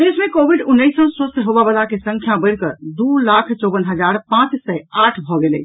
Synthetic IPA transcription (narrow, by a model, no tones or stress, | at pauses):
d̪esmẽkobʱiɖunːəɪsɔ̃səst̪əɦobabəlakesə̃ŋkʰjabəɪɽkəɾd̪ulakʰt͡ʃɔbənɦəd͡ʒaɾpãt͡ʃsɛaʈʰbʱɔɡelḛ